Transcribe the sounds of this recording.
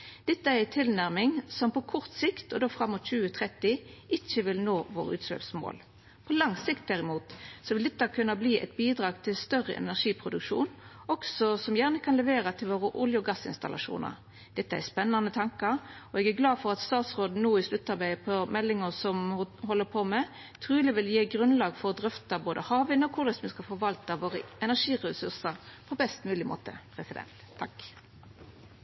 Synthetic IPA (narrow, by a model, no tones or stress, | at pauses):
d̪̥ɛt̪ːəææt̪ʰɪlnæʁmɪŋsɔmpɔkʰɔʁt̪sɪkt̪ɔd̪oːfɾɑmːʊːt̪c͡çʉːət̪ʰʁɛt̪ːɪʔɪçːəʋɪlnoːʋo̰ːʁəʉ̰ːt̪slø̰ːpsmo̰ːl | pʰɔlɑŋsɪkt̪̚d̪æʁɪmuːt̪sɔʋɪld̪ɛt̪ːɑkʰʉnːɑbliːɛ̰ɪt̪̚biːd̪ɾɑːɡt̪ʰɪlst̪œʁə̰ʔɛ̰næʁʂiːpʰʁʊd̪ʉkʂṵːn | ɔksɔsɔmjæːʁnəkʰɑnlɛʋeːɾɑt̪ʰɪlʋoːʁəʔʊljəɡɑsɪ̰nst̪ɑ̰lʔɑ̰ʂṵːnə̰ɾ | d̪̥ɛt̪ːəæspɛnːɑnət̪ʰɑŋkɑɾɔɛɡæɡlɑːfɔʁɑt̪st̪ɑːt̪sʁoːd̪nuːɪslʉt̪ːɑʁbæɪpʰɔmɛlːɪŋəsɔmɦɔlːəpʰomɛ | t̪ʰʁʉːlɪʋɪljeːɡʁʉnlɑːɡfɔɾɔd̪ʁʏft̪ɑboːd̪əhɑːʋɪnəɔkʰʊd̪əsmɪskɑfɔʋɑlt̪ɑʋoːʁəɛnæʂiːʁɛsʉʁsəʁpʰɔbɛst̪mʉːlɪmo̰ːt̪ə̰pʰɾɛsɪd̪ɛ̰nt̪ʰːɑk